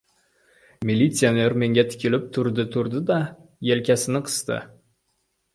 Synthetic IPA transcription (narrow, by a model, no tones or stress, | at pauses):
mʲilʲit̪sijone̞ɾme̞ŋɡʲæt̪ʰɪ̥kʲelɪp̚t̪ʰʊɾd̪ət̪ʰʊɾd̪əd̪ɑjelkʲæsɪnɪqʰə̥st̪ə̰